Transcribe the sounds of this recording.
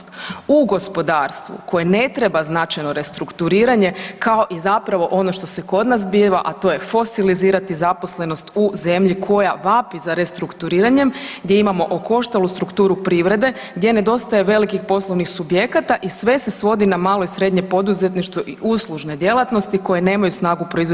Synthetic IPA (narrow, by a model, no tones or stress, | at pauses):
uɡo̞spo̞d̪aːɾst̪ʋṵko̞jene̞t̪ɾebaznat͡ʃajno̞ɾe̞st̪ɾukt̪uɾiːɾaɲe̞kao̞ʔizapɾaʋo̞ʔo̞noʃt̪o̞seko̞d̪nasbiʋaʔat̪o̞je̞fo̞siliziːɾat̪izapo̞sle̞no̞st̪uze̞mʎikʰo̞jaʋapizaɾe̞st̪ɾukt̪uɾiːɾaɲemɡd̪je̞imamo̞ʔoko̞ʃt̪alust̪ɾukt̪uːɾupɾiːʋɾe̞d̪e̞ | ɡd̪ʲje̞ne̞d̪o̞st̪aje̞ʋe̞likixpo̞sloʋnixsubje̞kat̪aʔisʋe̞sesʋo̞d̪inamaːlo̞isɾe̞d̪ɲe̞po̞d̪uzet̪niʃt̪uʔiʔuslˠuʒne̞d̪je̞lat̪no̞st̪iko̞jene̞ːmajusnaːɡupɾoizo